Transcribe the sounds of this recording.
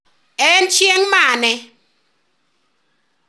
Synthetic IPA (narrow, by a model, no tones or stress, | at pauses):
ɛn̩t͡ʃjeŋmanɛ